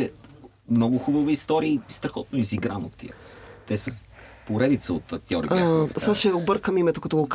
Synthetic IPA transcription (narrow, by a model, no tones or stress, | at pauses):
ɛ | mnɔɡʊxubəvəist̪ɔɾiəist̪ɾɐxɔt̪̚noiziɡɾanot̪ːḭət̪ɛsəpoɾɛd̪it̪səot̪ɐk̚t̪ʲiɔɾsaʃəobəɾkəmimɛt̪okɐt̪ɔɡok